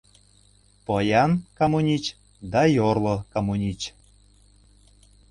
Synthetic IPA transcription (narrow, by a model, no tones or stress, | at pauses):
pojɑnkamunʲit͡ɕ | d̪ɑjorlˠokamunʲit͡ɕ